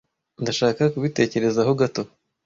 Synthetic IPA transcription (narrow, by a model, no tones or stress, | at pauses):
ndaʃaːkakuβite̞ːce̞ɾe̞zaɦo̞ɡato̞